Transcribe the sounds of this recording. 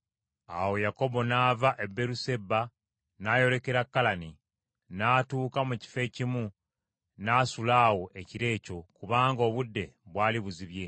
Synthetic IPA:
a̰wo̞jako̞bo̞naːvaʔe̞bːe̞ɾuse̞bːa | naːjo̞le̞ke̞ɾakːalani | naːtuːkamuci̥fe̞ːcimu | naːsulaːwo̞ʔe̞ciɾe̞ːco̞kuβaːŋɡo̞ːβudːe̞βwaːliβuziβje̞

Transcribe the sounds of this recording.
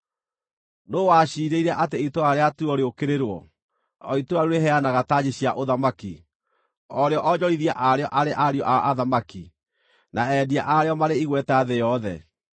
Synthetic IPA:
noːwaɕiːɾeiɾɛʔateitoaɾeatuɔɾeokeɾeɾwɔ | ɔitoaɾuɾeɦɛanaɣataːɲeɕiaʔoðamaki | ɔɾeɔʔɔd͡ʑɔɾiðia̰ʔaɾeɔʔaɾeʔaɾiɔʔa̰ʔaðamaki | naɛdiaʔaɾeɔmaɾeiɣwɛtɛaðejɔðɛ̰

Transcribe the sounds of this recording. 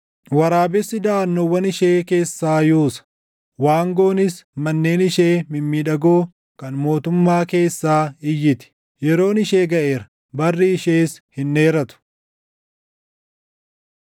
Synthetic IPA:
wɐɾaːbɛsːɪd̪aːnːɔwɐnɪʃe̞ːke̞ːsːaːjuːsɐ̥ | waːŋɡo̞ːnɪsmɐnːe̞ːnɪʃeːmɪmːiᶑɐɡoː | kɐnmo̞ːt̪ʊmːaːke̞ːsːaːɪjːɪt̪ɪ̥ | jɛɾo̞ːnɪʃe̞ːɡɐʔeːɾɐ | bɐrːiɪʃeːshɪnːeːɾɐt̪ʊ̥

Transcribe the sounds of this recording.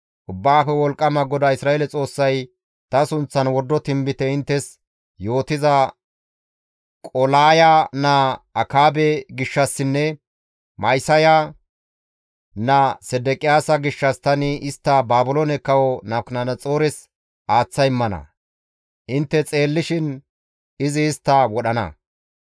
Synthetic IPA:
ʔʊbːaːfɛwɔlkʼːɐmɐɡɔd̪ɐɪsɾaːelɛt͡sʼo̞ːsːɐj | t̪ɐsʊnt͡sːɐnwɔd̪ːɔt̪ɪmbɪt̪ɛɪnt̪ːɛs | jo̞ːt̪ɪzɐ | kʼɔlaːjanaɐkaːbɛɡɪʃːɐsːɪnːɛ | mɐjsɐja | nɐsɛd̪ɛkʼɪjaːsɐɡɪʃːɐst̪ɐnɪʔɪst̪ːɐbaːbʊlonɛkɐwɔnɐknɐnɐt͡sʼo̞ːɾɛs | ʔaːt͡sːɐjɪmːɐnɐ̰ | ʔɪnt̪ːɛt͡sʼe̞ːlːɪʃɪn | ɪzɪːst̪ːɐwɔɗɐnɐ̰

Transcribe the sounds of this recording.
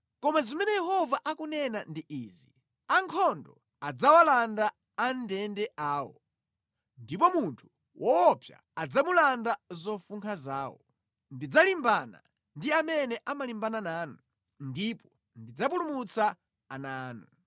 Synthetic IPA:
kɔmazimɛnɛjɛhɔvaʔakunɛnandiʔiːzi | aŋkʰɔndɔ | ad͡zawalanda | andɛndɛʔaːwɔ̰ | ndip̬ɔmuntʰu̥ | wɔːpʰja̰ | ad͡zamulandazɔfuŋkʰazaːwɔ̰ | ndid͡zalimbana̰ | ndiamɛnɛʔamalimbananaːnɔ | ndipɔ | ndid͡zap̬ulumut͡sa | anaːnu

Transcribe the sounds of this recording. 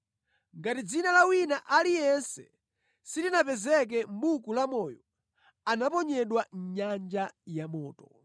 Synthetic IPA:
ŋɡatid͡zinalawinaʔalijɛnsɛ | sitinapɛzɛk̬ɛm̩bukulamɔjɔ | anapɔɲɛɗwaɲand͡ʒajamɔːtɔ̥

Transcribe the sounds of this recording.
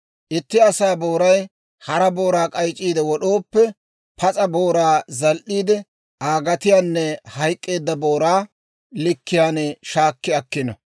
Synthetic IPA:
ʔɪt̪ːɪɐsaːbo̞ːɾɐj | hɐɾɐbo̞ːɾaːkʼɐjt͡ʃʼːiːd̪ɛwɔɗoːpːɛ | pɐt͡sʼɐbo̞ːɾaːzɐlʔiːd̪ɛ | aːɡɐt̪ɪjaːnːɛhɐjkʼːe̞ːd̪ːɐboːɾaː | lɪkːɪjaːnɛʃaːkːɪɐkːɪnɐ̰

